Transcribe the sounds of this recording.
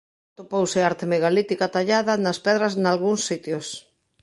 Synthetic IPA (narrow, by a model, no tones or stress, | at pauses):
t̪opowsɪaɾt̪emeɣalit̪ikat̪aʎaðɐnɐspɛðɾɐznalɣuŋsːit̪jos